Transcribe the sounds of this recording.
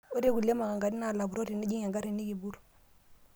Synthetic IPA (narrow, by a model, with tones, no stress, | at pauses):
o˦de˦ku˨le˦ma˨ŋa˨ŋɡa˨di˦na˨la˨bu˨ɾo˦ti˨ni˦d͡ʒi˦ŋa˨ŋɡa˦ɾi˨ni˦ɡi˨bu˦ɾ